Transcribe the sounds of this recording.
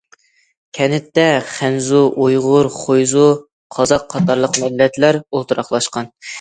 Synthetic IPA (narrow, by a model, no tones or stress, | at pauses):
kʲʰɛnɪt̪ːɛχænzuʔojʁʊɾχʰojzu | qʰɑzɑqʰːɑt̪ɑɾlˠəqmɛllːɛt̪læɾolˠt̪ɨɾɑχlˠɑʃqɑn